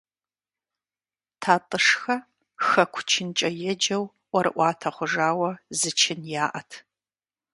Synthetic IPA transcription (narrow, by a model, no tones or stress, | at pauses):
tʰaːtʼɨʂxɐ | xɐkʷʰʊt͡ʃʰɪnt͡ʃʼɐjɛd͡ʒɐw | ʔʷɔɾɨ̰ʔʷɑːtʰɐχʷʊʒaːwɐzɨt͡ʃʰɪnjaːʔɐtʰ